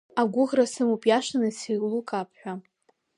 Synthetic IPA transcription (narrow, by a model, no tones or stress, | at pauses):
aɡʷʊʁrasɨmupʼjaʃanɨsilukʼapʰħʷᶣa